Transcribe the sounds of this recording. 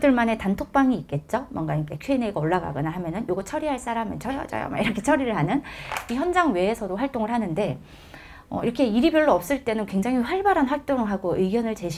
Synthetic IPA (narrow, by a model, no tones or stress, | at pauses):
dɯɭmane̞tantʰok̚p͈aŋiːk͈̚e̞t̚t͡ɕ͈omwʌnɡaɲik͈ekʰueneɡoɭːaɡa̰ɡʌnaɦamjʌnɯnjoɡʌt͡ɕʰʌɾiɦaɭs͈aɾamɯnt͡ɕʰʌjʌ̰t͡ɕa̰ja̰ma̰iɾʌkʰe̞t͡ɕʰʌɾiɾɯɭɦanɯniçjʌnd͡ʑaŋwe̞ːsʰʌdoɸwaɭt͈oŋɯɭɦanɯnde̞ | ʌ̰iɾʌkʰe̞iɾibjʌɭːoʌp̚s͈ɯɭt͈e̞nɯnkwe̞ŋd͡ʑaŋɦiɸwaɭbaɾanɸwaɭt͈oŋɯɦaɡoʔɯɡjʌnɯɭt͡ɕe̞ɕʰ